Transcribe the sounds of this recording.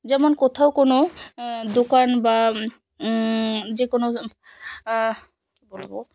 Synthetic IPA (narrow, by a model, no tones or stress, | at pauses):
d͡ʒɛmɔnkɔt̪ʰaʊkonod̪okanba | d͡ʒekono | kibolbo̰